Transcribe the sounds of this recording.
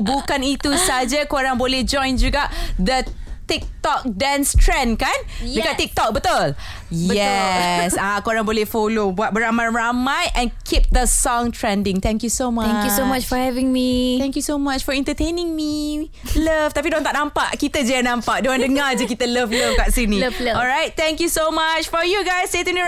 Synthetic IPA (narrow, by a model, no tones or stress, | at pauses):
bukanit̪usad͡ʒakoɾaŋbolehd͡ʒɔ̃jnd͡ʒuɡaʔd̪ət̪ik̚t̪ɔk̚dɛ̃nst̪ʰɹɛ̃nkãndəkaʔt̪ik̚t̪ɔk̚bət̪ɔl | jɛsakoɾãŋbolɛhfolobuat̪̚bəɾamãjɹamajʔɛ̃nkʰip̚d̪əsɔ̃ŋtʰɹɛ̃ndĩŋt̪ɛ̃ŋkjusomaɛ̃ŋkjusomat͡ʃfɔhɛvɪ̃ŋmiɛ̃ŋkjusomat͡ʃfɔɛ̃nt̪ət̪enĩŋmi | ləft̪apidõnt̪aʔnãmpaʔkit̪əd͡ʒeənãmpaʔ̚doãndəŋad͡ʒəkit̪ələfləfkaʔsinĩɔlɹajt̚t̪ɛ̃ŋkjusomat͡ʃfɔjuɡajsːet̪uni